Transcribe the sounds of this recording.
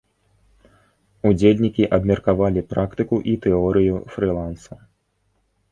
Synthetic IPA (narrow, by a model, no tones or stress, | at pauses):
ud͡zʲelʲnʲikʲiʔɐbmʲɛrkavalʲipɾakt̪ɨkuʔit̪ɛɔɾɨjufɾɨlˠansɐ